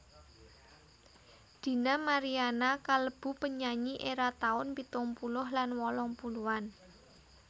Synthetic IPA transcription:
d̪̥i̤namaɾianakaləb̥ṳpəɲaɲiʔeɾat̪aʊnpit̪ʊŋpulʊhlanwɔlɔŋpuluan

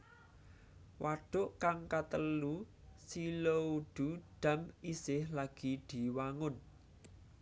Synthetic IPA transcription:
wʔaɖ̥ʊʔkaŋkat̪əlu | silouɖ̪̥ṳɖ̪̥a̤misɪhlaɡ̥i̤d̪̥i̤waŋʊn

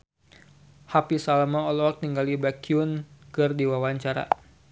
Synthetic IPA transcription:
hapisalamaɔlɔk̪̚niŋɡalibakiunkɨrdiwawaɲt͡ʃaɾa̰

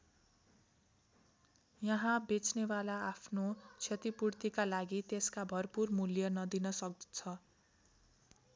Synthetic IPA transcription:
jʌɦãbet͡snebalaːpʰnot͡sʰet̪ipurt̪ikalaɡit̪eskabʱʌrpurmuljʌnʌd̪inʌsʌk̪̚t͡sʰʌ

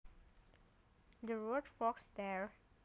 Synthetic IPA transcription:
d̪əɹɔdfɔksd̪ɛɹ

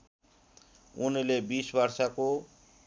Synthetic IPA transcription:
unilebisbʌrsako

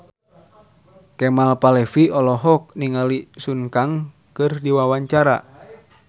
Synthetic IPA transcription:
kɛmalpalɛfiɔlɔɦɔk̚niŋalisuŋkaŋ | kɨrdiwawaɲt͡ʃaɾa̰

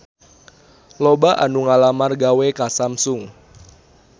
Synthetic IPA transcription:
lobaʔa̰nuŋalamarɡawekasamsʊŋ

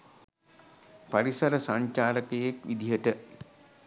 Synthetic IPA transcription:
paɾisɐɾəsaɲt͡ʃaːɾəkejekʋid̪iɦəʈə

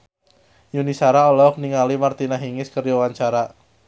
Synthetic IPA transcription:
junisaɾaɔlɔk̚niŋalimart̪inaɦiŋɪskərd͡ʒɔwaɲt͡ʃaɾa

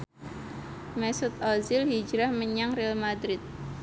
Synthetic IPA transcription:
mɛsʊt̪̚ɔzɪlhid͡ʒɾahməɲaŋrɛalmad̪ɾɪt̪̚

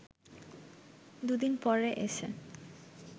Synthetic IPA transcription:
d̪ud̪inpɔɾeʔeʃʰḛ

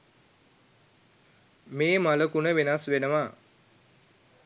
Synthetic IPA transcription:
meːmaləkunəʋenasʋenəʋa

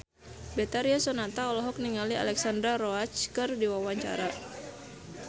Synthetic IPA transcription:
bɛt̪aɾiasɔnat̪aɔlɔɦɔk̚niŋalia̰lɛksand̪ɾarɔat͡ʃkɨrdiwawaɲt͡ʃa̰ɾa

